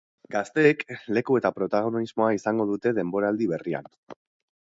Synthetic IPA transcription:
ɡast̪e̞ːkle̞kue̞t̪apɾo̞t̪aɣ̞o̞nizmo̞aisaŋɡo̞ð̞ut̪e̞ðe̞mbo̞ɾaːld̪iβe̞ria̰n

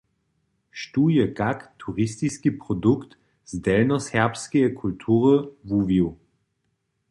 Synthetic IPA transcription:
ʃt̪ujɛkakt̪ʰuʁist̪iskipʁod̪ukt̪ | zd̪ɛlnɔsɛʁpskiɛkʰult̪ʰuʁəvuviw

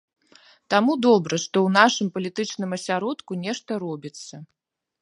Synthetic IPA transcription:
t̪amud̪ɔbɾɐʂt̪ɔwnaʂɨmpɐlʲit̪ɨt͡ʂnɨmɐsʲaɾɔt̪kunʲɛʂt̪ɐɾɔbʲit̪sːɐ

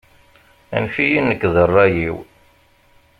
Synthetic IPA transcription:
æ̰nfijinːəkːðˤərˤːɑjiw

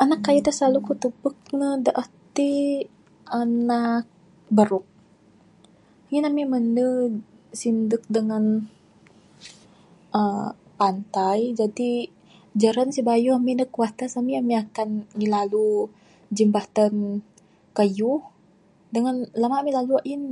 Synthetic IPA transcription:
ʔanakːajut̪əslalukut̪ubək̚nədəʔəht̪i | ʔanak̚ | bəɾʊk̚ | ŋinamiməndə | sindək̚dəŋan | ə | pant̪ajd͡ʒadi | d͡ʒaɾansibajuhaminəkuat̪asamiamiakanmilalu | d͡ʒəmbat̪an | kəjuh | dəŋanlamaʔmilaluaʔin

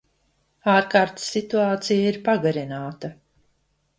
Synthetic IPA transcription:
aːɾkaːɾt̪sːit̪uaːt̪sijaiɾpaɡaɾinaːt̪ɐ

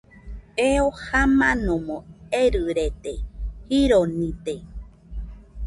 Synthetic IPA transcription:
eohamãnõmõeɾɨɾet̪ehiɾonĩt̪e

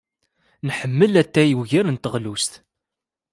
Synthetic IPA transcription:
nħəmːəlæt̪ːæjəwʝæɾənt̪əʁlust̪

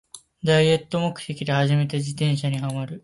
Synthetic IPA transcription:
d̪aie̞t̪ːo̞mo̞kɯ̟̥t̪e̞kʲid̪e̞haʑime̞t̪ed͡ʑit̪ẽ̞ɰ̃ɕaɲ̟ihamaɾɯ̟

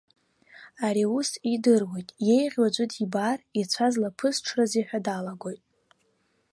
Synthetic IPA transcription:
aɾiusidɨrwe̞jtʼje̞jʁʲwad͡ʒʷʼɨtʰibarit͡sʷʰazlapʰɨsʈ͡ʂʰraziħᶣadalaɡʷo̞jtʼ

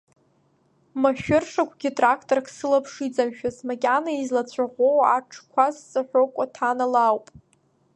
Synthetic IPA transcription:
maʃᶣʊrʂakʷɡʲitʼrakʰtʼorkʰsɨlapʰʂid͡zʼamʃᶣazmakʲʼanaizlat͡ɕʷʰaʁʷowaʈ͡ʂʰkʷʰasːʼɨħʷᶣokʷʼatʰanalawpʼ

